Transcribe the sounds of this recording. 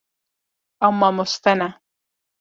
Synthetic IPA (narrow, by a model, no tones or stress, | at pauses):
amːamʊst̪ana